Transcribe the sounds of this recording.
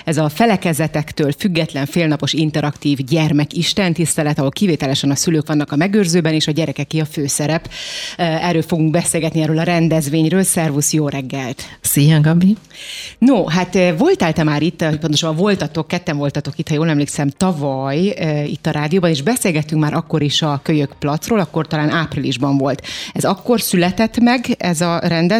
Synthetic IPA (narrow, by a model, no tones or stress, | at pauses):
ɛzɒfɛlɛkɛzɛt̪ɛkt̪øːlfyɡːɛt̪lɛɱfeːlnɒpoʃint̪ɛɾɒkt̪iːvɟɛrmɛkiʃt̪ɛnt̪ist̪ɛlɛt̪ɒɦo̞lkiveːt̪ɛlɛʃɛnɒsyløːkʋɒnːɒkɒmɛɡøːrzøːbɛneːʃɒɟɛɾɛkɛkiɒføːsɛɾɛp | ɛrɾːøːlfo̞ɡuŋɡ̚bɛseːlɡɛt̪niɛːɾøːlɒɾɛnd̪ɛzʋeːɲrøːlsɛrvusjoːɾɛɡːɛlt̪sijɛŋɡɒbi | noɦat̪vo̞lt̪ɛlt̪ɛmaːɾit̪ːopont̪oʃɒbɒvo̞lt̪ɒt̪o̞kːɛt̪ːɛɱvo̞lt̪ɒt̪o̞kit̪hɒjoːlɛmleːksɛmt̪ɒvɒjḭt̪ːɒɾʔaːd̪ijoːbɒneːʒbɛseːlɡɛt̪ːyŋkmaːɾʔɒkːo̞ɾiʃɒkøɲøkplɒt̪sroːlɒkːo̞rt̪ɒlaːnʔaːprilḭʒbɒɱvo̞lt̪ɛzɒkːo̞rsylɛt̪ɛt̪mɛɡɛzɒrɛnd̪ɛ